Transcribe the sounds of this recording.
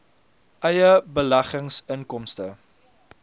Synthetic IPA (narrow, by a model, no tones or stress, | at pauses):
ʔɐjəbəlɐχəŋsəŋkɔmstə